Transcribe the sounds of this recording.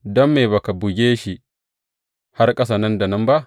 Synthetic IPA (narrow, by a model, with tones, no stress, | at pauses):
dɔ˦mːe˨ba˨ka˨bʊ˨ɡʲeː˦ʃi˨ | ha˦rkʼɐ˦s̬a˨nɐ˦nda˨nɐ˦mba˦ʔ